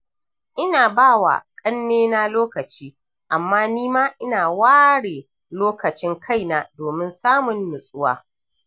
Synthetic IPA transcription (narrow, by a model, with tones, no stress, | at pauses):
ʔɪ˦naː˨baː˦˨wa̰˨kʼɐ˦nːeː˦na˦loː˦kɐ˨t͡ʃiː˦ | ʔa˨mːaː˦niː˦maː˦ʔɪ˦naː˨waː˦ɽeː˨ | loː˦kɐ˨t͡ʃɪ˦ŋkʰa˦˨jna˦doː˨mɪ˦nsaː˦mʊ˨nːʊ˨sʼʊ˦wa̰ː˦